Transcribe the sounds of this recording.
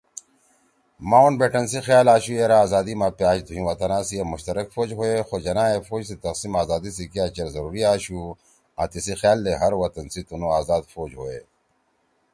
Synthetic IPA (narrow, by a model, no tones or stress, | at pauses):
maːonbeːʈɐnsixjaːlaːɕueːɾaːzaːd̪imãpjaːt͡ʃd̪ʱuɦĩwɐt̪ɐnãːsiemʊɕt̪ɐɾɐkfoːd͡ʑɦoːexoːd͡ʑɐnãːefoːd͡ʑsit̪ɐqsimaːzaːd̪is̬ikijaːt͡ɕɐɾzɐɾuːɾiaːɕu | ã̰ːt̪isixjaːlːeɦɐɾwɐt̪ɐnsit̪unoaːzaːd̪foːd͡ʑɦoːḛː